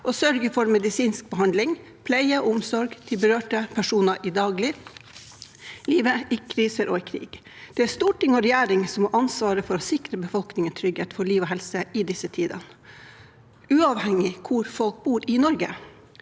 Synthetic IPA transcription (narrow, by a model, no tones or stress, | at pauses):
ʔɔsœɾɡəfɔɾmɛd̪ɪsiːnsk̚bəɦɑnd̪lɪŋ | pʰlæɪəʊmsɔɾɡt̪ʰɪlbəɾøːʈəpʰæʂuːnɑʔɪd̪ɑːɡlɪ | liːʋəɪkʰɾiːsəɾʔo̰ːɪkʰɾḭːɡ̥ | d̪̥ɛæst̪uːʈʰɪŋɔɾɛjæːɾɪŋsɔmɔʔɑnsʋɑːɾəfɔɾɔsɪkɾəbəfɔlknɪŋənt̪ʰɾʏɡheːt̪fɔɭiːʋoːhɛlsəɪd̪ɪsət̪ʰiːd̪ɑ̰nə | ʔʉːɑːʋhɛŋːɪkʰʊɾfɔlk̚buːɾɪnɔɾɡə̰